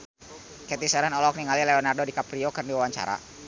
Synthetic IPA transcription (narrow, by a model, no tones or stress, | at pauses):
kɛt̪isɛɾɛnɔlɔk̚niŋalileɔnardodikapɾiokɨrniwawaɲt͡ʃa̰ɾa̰